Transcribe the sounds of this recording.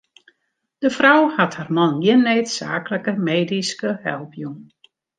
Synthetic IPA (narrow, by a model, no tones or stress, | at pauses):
d̥əfrawhatharmɑnjɪənːeːtsa̰ːkələkəmeːdiskəhɛlˠpʰjuŋ